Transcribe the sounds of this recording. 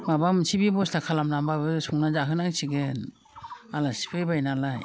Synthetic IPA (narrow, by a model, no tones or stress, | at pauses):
mabamsibibɔstakʰalamnambabɯsuŋnazaɦɯnaŋsiɡɯn | alasi̥pʰebajnalaj